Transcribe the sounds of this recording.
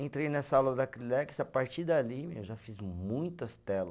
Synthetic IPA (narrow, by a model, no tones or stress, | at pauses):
ẽnt̪ɾejnɛsɐawlɐd̪ɐkɾilɛksapaɾt͡ʃiɾd̪alimewʒafizmũj̃t̪ɐst̪ɛlɐ